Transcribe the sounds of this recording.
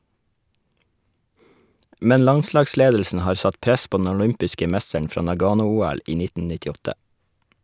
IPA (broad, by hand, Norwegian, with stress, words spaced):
ˈmɛn ˈlɑnˌslɑːɡˌsleːdl̩sn̩ ˈhɑːɾ ˈsɑt ˈpɾɛs ˈpoː dn̩ ɔˈlʏmpɪskə ˈmɛstəɳ ˈfɾɑː nɑˈɡɑːnʊˌuːæl ˈiː ˈnɪtn̩ nɪtɪˈɔtə